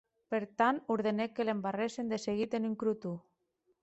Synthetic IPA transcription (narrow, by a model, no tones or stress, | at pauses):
peɾt̪anuɾð̞enekːelembaresend̪eseɣit̪enyŋkɾut̪u